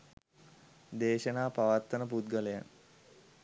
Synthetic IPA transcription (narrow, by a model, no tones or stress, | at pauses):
d̪eːʃənaːpaʋat̪ːənəp̬ut̪ɡələja̰n